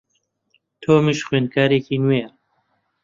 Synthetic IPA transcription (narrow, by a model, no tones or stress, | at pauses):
t̪ʰoːmiʃxwenkʰaːɾeːkiːnwejɐ